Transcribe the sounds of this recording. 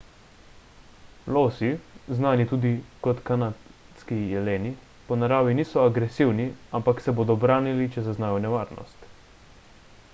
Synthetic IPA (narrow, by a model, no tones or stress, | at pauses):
loːsiznaːnit̪uːd̪ikɔt̪kana | skijɛleːni | pɔnaɾaːʋiniːsɔaɡɾɛsiwniampaksɛboːd̪ɔbɾaːnilit͡ʃɛzaznaːjɔnɛʋaːɾnɔ̰st̪